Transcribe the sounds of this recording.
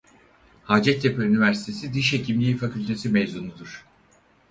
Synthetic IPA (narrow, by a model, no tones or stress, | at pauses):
haːd͡ʒɛt̪̚ːepʰøynivæɾsi̥t̪ʰe̞sid̪iʃhe̞cʰimlʲiːfacʰylʲt̪ʰe̞simevzunud̪uɾ̥